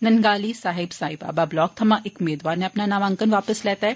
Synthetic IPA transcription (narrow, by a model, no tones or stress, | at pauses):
nɐnɡaːlisaːɦɪbsaːɦɪba̰ːbablɔːk̚t̪ʰɐmãʔekʊmeːd̪ʋaːɾnẽɐpnanaːʋə̃ŋkənʋaːpəslɛːt̪aɦɛː